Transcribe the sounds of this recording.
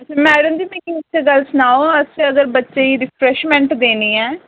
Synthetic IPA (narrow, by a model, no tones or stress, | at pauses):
ət͡ʃʰamɛːɽəmd͡ʒiːmɛ̃ːkiʊeɡəlsənaːoəseəɡəɾbətːʃeːiːɾɪpʰɾɛʃmɛ̃ɳʈd̪eːniːɛː